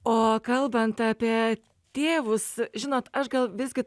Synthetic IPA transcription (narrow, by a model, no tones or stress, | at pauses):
oːkɐlˠbɐnt̪ɑːpʲiɛ | t̪ʲeːʋʊsʒʲɪnoːt̪ɐʃɡɐlˠʋʲɪzɡʲɪ